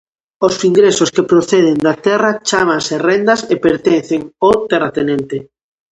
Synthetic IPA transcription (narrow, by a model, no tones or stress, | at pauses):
osiŋɡɾesoskepɾoθeð̞ɪnd̪at̪ɛrɐt͡ʃamaŋserɛnd̪ɐsepeɾt̪ɛnθeŋot̪erat̪enẽnt̪e